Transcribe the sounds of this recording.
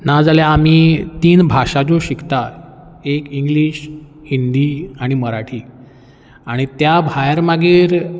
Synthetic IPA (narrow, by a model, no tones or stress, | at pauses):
nad͡zaljaːmiːt̪iːnbʱaʂat͡soɕikʰt̪aekiŋɡliːɕ | hind̪iaɽ̃iməɾaʈʰiː | aɽ̃it̪jabʱajəɾmaɡiːɾ